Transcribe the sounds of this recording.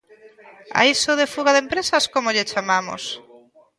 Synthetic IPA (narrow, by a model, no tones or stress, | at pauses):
a̰isoðefuɣaðempɾesaskomoʎet͡ʃamamo̰s